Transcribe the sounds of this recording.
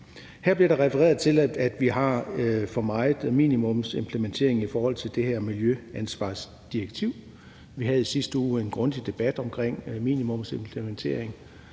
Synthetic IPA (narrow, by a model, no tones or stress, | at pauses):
hæɐ̰b̥liɐɾ̥ɑ̈ʁɛfəʁḛːɐð̩ˠt͡sʰe̝læd̥ʋiɦɑ̈fɒ̽mɑ̈ɪð̩ˠmḭːnimɔ̽mse̝mpʰlement͡sʰe̝̰ɐ̰e̝ŋifɒːhɒ̽l̰t͡sʰe̝ld̥e̝hæɐ̰miljøænsʋɑ̰̈ːs | d̥ieɡ̥t͡sʰiʊ̰ | ʋiɦæð̩ˠisisd̥əuːe̝nɡ̥ʁɔ̽nd̥id̥e̝b̥æd̥ɒ̽mkʰʁeŋ̰mḭːnimɔ̽mse̝mpʰlement͡sʰe̝̰ɐeŋ